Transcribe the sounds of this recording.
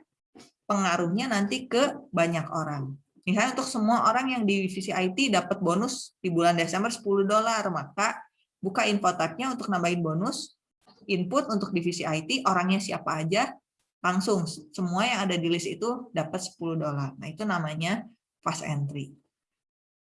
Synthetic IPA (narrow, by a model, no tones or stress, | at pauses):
pəŋaɾuhɲanant̪ikəbaɲakoɾaŋ | miɦajunt̪ʊk̚səmuaʔoɾaŋjaŋdifisiajt̪idapət̪̚bonʊsdibulandesɛmbərsə̥pulʊhdolarmakaʔ | bukainfot̪at̪̚ɲaunt̪ʊk̚nambaɪnbonʊs | impʊt̪unt̪ʊk̚difisiajt̪iʔoɾaŋɲasiapaːd͡ʒa | laŋsʊŋsəmuajaŋadadilɪsit̪udapət̪̚sə̥puluhdolarna̰hit̪unamaɲa | fasɛ̰nt̪ɾi